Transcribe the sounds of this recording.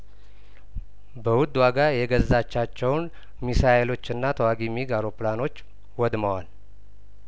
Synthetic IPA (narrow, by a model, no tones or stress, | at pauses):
bəwʊd̪ːwaɡajɛɡəzːat͡ʃːat͡ʃːɛwn | misaelo̞t͡ʃːɨnːat̪ʰəwaɡimiɡaɾoplano̞t͡ʃː | wɔd̪məwal